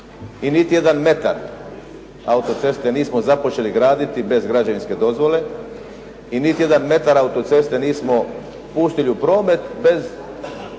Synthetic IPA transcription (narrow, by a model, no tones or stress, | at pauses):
init̪ije̞d̪anme̞t̪a̰ɾ | aut̪ot̪se̞st̪e̞niːsmozapo̞t͡ɕe̞liɡɾaːd̪it̪ibe̞zɡɾad͡ʑaʋinske̞d̪o̞zʋo̞le̞ | init̪ije̞d̪anme̞t̪aɾaut̪ot̪se̞st̪eniːsmo | puːst̪iliupɾo̞ːme̞t̪be̞z